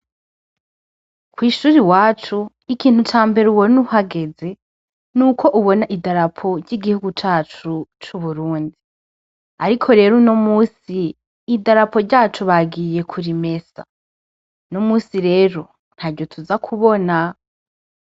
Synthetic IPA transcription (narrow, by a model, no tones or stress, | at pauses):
kwiːʃuːɾiwaːt͡ʃu | ikʰiːn̥hut͡ʃaːmbe̞ɾuwonuhaɡe̞ze̞ | nuːkʰo̞ʔuβo̞naʔidaɾapʰo̞ɾɟiɡihuɡut͡ʃaːt͡ʃut͡ʃuβuɾuːndi | aɾikʰo̞ɾe̞ːɾunomuːsiː | daɾapo̞ɾɟaːt͡ʃuβaɡije̞kʰuɾime̞sa̰ | nomuːsiɾe̞ːɾo̞ | n̥haɾɟo̞tʰuzakʰuβo̞na